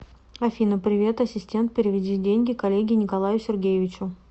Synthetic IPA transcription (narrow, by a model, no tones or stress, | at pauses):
ɐfʲinəpɾʲɪvʲe̞t̪ɐsʲɪsʲtʲe̞nt̪̚pʲɪɾʲɪvʲɪdʲidʲenʲɡʲɪkɐlʲeɡʲɪnʲɪkɐlˠajʊsʲɪrɡʲejɪvʲɪt͡ɕʊ